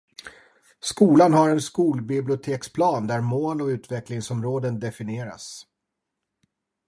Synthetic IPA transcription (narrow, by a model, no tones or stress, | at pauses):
skuːlanhaɾɛnskuːlbɪblɪʊt̪ʰeːkspʰlɑːnd̪æɾmoːlɔʉ̟ːt̪vɛklɪŋsɔmɾoːd̪ənd̪ɛfɪneːɾa̰s